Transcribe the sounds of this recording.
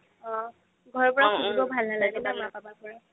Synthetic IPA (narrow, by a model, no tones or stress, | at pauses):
ɔ | ɡʱɔɹɔpɔɹakuibɔbʱalnalaɡɛbamapabapɔɹɔ